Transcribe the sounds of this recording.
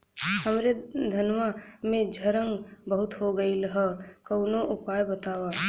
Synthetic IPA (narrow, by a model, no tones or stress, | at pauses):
həmɾed̪ʱənʋamẽd͡ʒʱɐɾə̃ŋɡbəɦʊt̪ɦoɡəiləɦəkəʊnoʔʊpaːjbət̪aːwaː